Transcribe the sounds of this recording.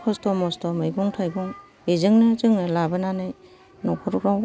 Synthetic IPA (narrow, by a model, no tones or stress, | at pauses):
pʰɔstɔmɔstɔmɯjɡɔŋtʰajbɔŋ | ezɯŋnɯzɯŋɯlabɯnanɯj | nɔkʰɔɾɾaw